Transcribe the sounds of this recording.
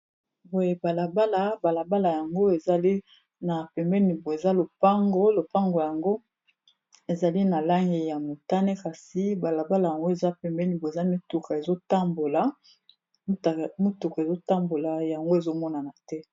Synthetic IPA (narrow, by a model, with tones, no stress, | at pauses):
bo˨je˦ba˨la˨ba˦la˨ba˨la˨ba˦la˨ja˨ŋɡo˦e˨za˨li˦ | na˨pɛ˨mbɛ˦ni˨bo˨e˨za˦lo˨pa˦ŋɡo˦lo˨pa˦ŋɡo˨ja˨ŋɡo˦ | e˨za˨li˦na˨la˦ŋɡe˨ja˨mo˨ta˦ne˦ka˨si˨˦ba˨la˨ba˦la˨ja˨ŋɡo˦e˨za˦pɛ˨mbɛ˦ni˨bo˨e˨za˦mi˦tu˨ka˨e˨zo˦ta˦mbo˨la˨ | m˦ta˨mo˦tu˨ka˨e˨zo˦ta˦mbo˨la˨ja˨ŋɡo˦e˨zo˦mɔ˦na˨na˨tɛ˦